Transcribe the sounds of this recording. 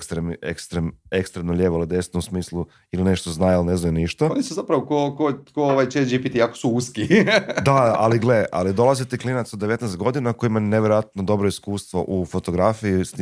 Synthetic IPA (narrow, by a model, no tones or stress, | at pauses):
kst̪ɾemḛkst̪ɾemekst̪ɾemnoʎʲeːʋoled̪e̞snousmiːslˠu | iline̞ʃt̪oznaːjilne̞znajuniʃt̪aonisuzapɾaʋokokokooʋajt͡ʃed͡ʒipit̪iako̥suuskid̪aa̰liɡleʔa̰lid̪o̞lˠazit̪iklinat̪sod̪ːeʋe̞t̪nɛst̪̚ɡo̞d̪inakojimaneʋje̞ɾojat̪nod̪o̞bɾoiskuːst̪ʋo̞̰ʔufo̞t̪o̞ɡɾafijis